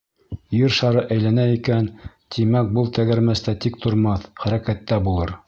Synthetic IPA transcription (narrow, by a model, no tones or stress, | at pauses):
jɘɾʃɑɾɤʔæjlænæikæn | t̪ʰimæk̚bɤlˠt̪æɡæɾmæst̪æt̪ik̚t̪ʰŏɾmɑθχæɾækæt̪ːæbulˠɤɾ